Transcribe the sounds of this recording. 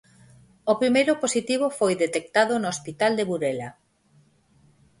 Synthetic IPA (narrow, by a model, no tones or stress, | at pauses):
opɾimejɾʊposit̪iβ̞ofojðet̪ek̚t̪aðʊnoːspit̪ald̪eβuɾela